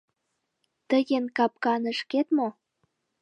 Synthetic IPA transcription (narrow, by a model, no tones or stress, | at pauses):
t̪əjenkɑp̚kɑnə̆ʃket̪mo